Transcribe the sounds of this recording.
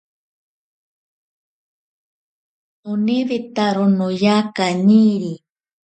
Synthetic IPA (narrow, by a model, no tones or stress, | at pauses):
uniðit̪aɾonojakaɲiɾi